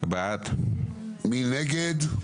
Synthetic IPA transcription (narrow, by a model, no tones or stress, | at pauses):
bat̪ | mineɡed̪